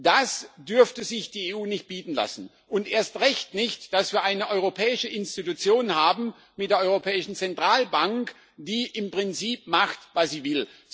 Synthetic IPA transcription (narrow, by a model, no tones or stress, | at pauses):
d̥asd̥ʏɐftəzɪçd̥iːeːʔuːnɪçt̚b̥iːtn̩la̰sn̩ | ʔʊntʔeːɐstʁɛçtnɪçtd̥asv̥iːɐʔaɪnəʔɔʏʁopʰɛːɪʃəɪnstitut͡sjoːnhaːbm̩ | mɪtd̥eːɐʔɔʏʁopʰɛːɪʃn̩t͡sɛntʁ̥aːlbaŋk | d̥iːʔɪmpʁ̥ɪnt͡siːp̚maχtvasz̥iːvɪl